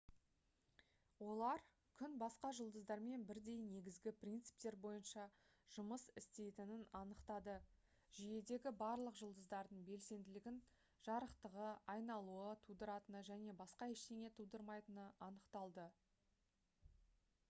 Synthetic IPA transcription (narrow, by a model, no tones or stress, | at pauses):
wo̞lˠɑɾ | kʲʰʏnbɑsqɑʒəlˠd̪əzd̪ɑɾme̞nbɪɾd̪e̞jne̞ɡʲɪzɡʲɪprʲint̪sɨ̥p̚t̪e̞ɾbo̞jənʃɑ | ʒ̥ʊməsɪst̪e̞jt̪ɪnɪnɑnəqt̪ɑd̪ə | ʒije̞d̪e̞ɡʲɪbɑɾlˠəqʒəlˠd̪əzd̪ɑɾd̪əɴbe̞lse̞nd̪ɪlɪɡʲɪn | ʒ̥ɑɾəqt̪əʁəɑjnɑlˠuət̪ʰud̪əɾɑt̪ənəʒæne̞bɑsqɑeʃt̪eŋʲe̞t̪ʰud̪əɾmɑjt̪ənəʔɑnəqt̪ɑlˠd̪ə